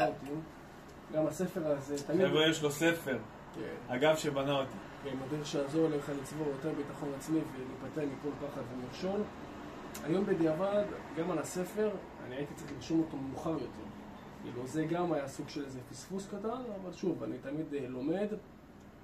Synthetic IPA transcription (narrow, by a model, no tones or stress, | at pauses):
altim | ɡamase̞fe̞ʁazet̪amidviʃlosefeʁ | kḛnaɡavʃebanaot̪i | vemadiʁʃejaːzo̞ʁleχalit͡svoʁjo̞te̞ʁbitaχo̞nat͡smivelipat̪eʁmiko̞lpaχatvemiʁʃo̞n | a̰jo̞mbed̪iavad̪ɡamalase̞fe̞ʁ | a̰niait̪itt͡sʁiχliʁʃomot̪omemuχaʁjo̞te̞ʁ | kḭːluzeɡamajasuɡʃelezepisfuskatanavalʃuvanitamid̪lo̞me̞d̪